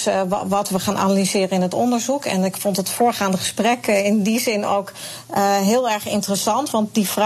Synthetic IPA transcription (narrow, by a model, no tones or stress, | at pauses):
ʋɑtʋəχaːnʔa̰nalizɪːrənɪnɦətɔ̰ndəɹzukɛ̰nɪkfɔntətfoːɹχaːndəχə̥sprɛkɪndizɪno̰wk | ɦɪːlˠɛɹχɪntərəsɑntʋɑnt̚difr